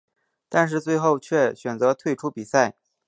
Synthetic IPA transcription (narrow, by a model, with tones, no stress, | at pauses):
t̪a˥˧nʂ̬ɻ̩˥˧t͡swe˥˧ɪxo˥˧ʊt͡ɕʰɥɛ˥˩ɕɥɛ˨˩nt͡sɤ˧˥t̪ʰwe˥˧ɪʈ͡ʂʰu˥pi˨˩sa˥˩ɪ